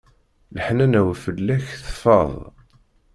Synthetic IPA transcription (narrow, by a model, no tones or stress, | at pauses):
ləħnænæwfəlːæçθə̥fɑðˤ